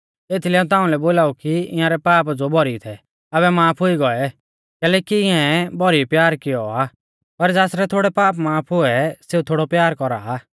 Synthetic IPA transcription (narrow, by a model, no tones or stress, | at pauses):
eːt̪ʰilɛũt̪ãːũlɛboːlaːukiɪ̰̃jãɾɛpaːpd͡zobʱɔɾit̪ʰɛ | ɐβɛmaːpʰɦʊiɡɔɛ | kɛːlɛːkiɪãɛbʱɔɾipjaːɾkɪjɔa | pɐɾd͡zaːsɾɛt̪ʰoːɽɛpaːpmaːpʰɦʊɛseut̪ʰoːɽɔpjaːɾkɔɾa̰